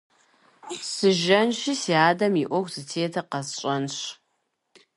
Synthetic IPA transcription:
sɨʒɐnʃisiaːdɐmiʔʷɔxʷzɨtʰeːtʰɐqɐzɕʼɐnɕ

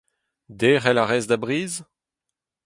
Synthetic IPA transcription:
d̪eːʁɛlaʁɛzd̪abʁiːz

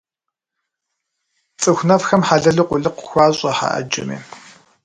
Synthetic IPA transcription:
t͡sʼɨxʷnɐfxɐmħaɮɐɮɨqʷʊɮɨqʷʊ̥xʷaːɕʼɐħa̰ʔɐ̰d͡ʒɪ̰mḛː

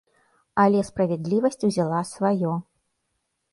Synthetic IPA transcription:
ɐlʲɛspɾɐvʲɛd̪lʲivɐsʲt͡sʲuzʲalˠasvajɔ

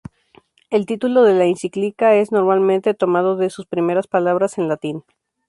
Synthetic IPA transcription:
e̞lt̪it̪ulo̞ðe̞lainsiklikae̞zno̞ɾmalmẽnt̪e̞t̪o̞maðo̞ðe̞suspɾime̞ɾaspalaβ̞ɾase̞nlat̪in

